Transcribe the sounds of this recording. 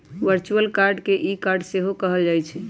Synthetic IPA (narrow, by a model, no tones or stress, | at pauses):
ʋəɾt͡ʃuəlkaɾɖkeʔikaɾɖseɦokəɦəld͡ʒajt͡ʃʰɛ